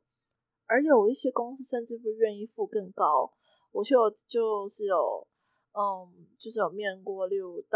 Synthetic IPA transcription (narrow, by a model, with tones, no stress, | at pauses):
ə˞˧˥t͡ɕʰjɛ˨˩wɔ˨˩i˥˩ɕjɛ˥kʊ˥ŋs̩˥˧ʂə˥˧nʈ͡ʂɻ̩˥˧p̬u˥˧ɥɛ˥˧ni˥˧fu˥˧kə˥˩ŋkɑ˦˥ʊ | wɔ˨˩t͡ɕo˥˩ʊt͡ɕjo˥˧ʊʂɻ̩˥˩jo˨˩ʊ˨˩ | t͡ɕjo˥˧ʊʂɻ̩˥˩jo˨˩ʊmjɛ˥˩nkwɔ˥˧ljo˥˩ʊt̪